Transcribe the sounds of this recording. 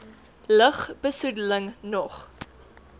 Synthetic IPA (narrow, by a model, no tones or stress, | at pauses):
ləχb̥əsudələŋnɔχ